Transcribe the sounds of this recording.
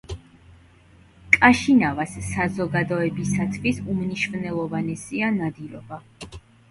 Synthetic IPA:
kʼaʃinavasːazɔɡad̪ɔɛbisat̪ʰvisumniʃvnɛlˠɔvanɛsianad̪ilɔba

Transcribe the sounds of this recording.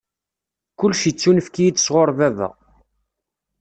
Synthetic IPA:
kʊlːʃit͡sːunəfkijid̪əsʁoɾˤvæðæ̰

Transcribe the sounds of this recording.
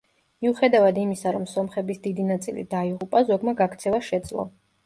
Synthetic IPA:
miuχɛd̪avad̪imisaɾɔmsɔmχɛbisd̪id̪inat̪sʼḭlḭd̪aiʁupʼazɔɡmaɡakʰt̪sʰɛvaʃɛd̪z̥lˠɔ̰

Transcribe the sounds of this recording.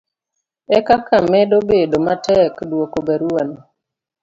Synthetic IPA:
ɛkakamɛdobedomatɛkdwokobaɾuon

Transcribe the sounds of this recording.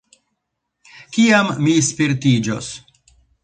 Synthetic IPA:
kiamːispiɾtid͡ʒo̰s

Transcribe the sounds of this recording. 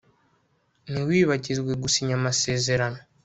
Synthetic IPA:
niwiːβaɟizɡwe̞ɡusiɲamase̞ːze̞ɾano̞

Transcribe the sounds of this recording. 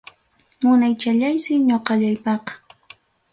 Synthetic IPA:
mʊnajt͡ʃaʎajsɪɲoqɑʎajpɑqɑ̥

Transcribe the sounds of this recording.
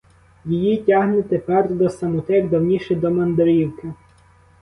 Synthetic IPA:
jijitʲaɦnɪt̪epɛrd̪ɔsɐmʊt̪ɛɡd̪ɐwnʲiʃɛd̪ɔmɐnd̪ɔɾʲiwkɪ

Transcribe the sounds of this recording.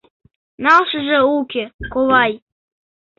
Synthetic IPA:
nɑlˠʃɤ̆ʒĕukʲekovɑj

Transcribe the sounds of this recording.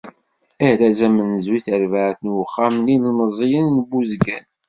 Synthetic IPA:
æɾæzæmənzwiθəɾvaʕθənwəχːamnilnəzˤijənːbːuzɡæn

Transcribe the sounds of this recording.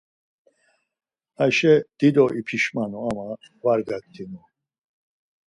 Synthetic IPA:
aʃɛd̪̥id̪ɔʔipʰiʃmanɔama | vaɾɡak̚t̪ʰinɔ

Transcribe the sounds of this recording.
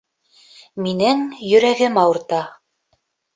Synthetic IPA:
minɘŋjɵ̆ɾæɡɘmɑwɤ̆ɾt̪ɑ

